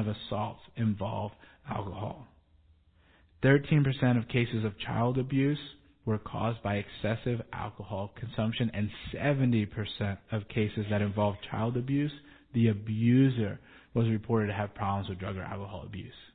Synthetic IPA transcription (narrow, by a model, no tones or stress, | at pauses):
ʌvəsɔlˠtɨ̃ɱvɑ̰lˠvd | æ̰lˠkəhɔ̰lˠ | θɜ˞tʰĩnpə˞sɛ̃ɾ̃ʌv̥kʰeɪsɨzʌv̥t͡ʃʰaɪlˠdɨbjʉz | wə˞kʰɔ̰zbaɪɨksɛsɪvʔæ̰lˠkəhɔlˠkʰn̩sʌ̃mpʃɨ̃nɨ̃nsɛvɨ̃ntipʰə˞sɛ̃ntʌv̥kʰeɪsɨzðɨɾɨ̃ɱvɑlˠvt͡ʃʰaɪlˠdɨbjʉz | ðiɨbjʉzə˞ | wʌzɹɨpʰɔɹɾɨd̚tɨːv̥pʰɹ̥ɑblə̃mzwɨðdɹʌɡə̰˞æ̰lˠkəhɔ̰lˠə̰bjʉ̰s